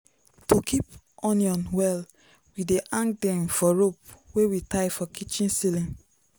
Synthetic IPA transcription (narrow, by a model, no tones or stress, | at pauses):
tokʰip | ɔ̃niɔ̃nwɛl | wideʔãŋkdɛ̃mfɔɹop̚wewitaɪfɔkʰit͡ʃĩnsilĩn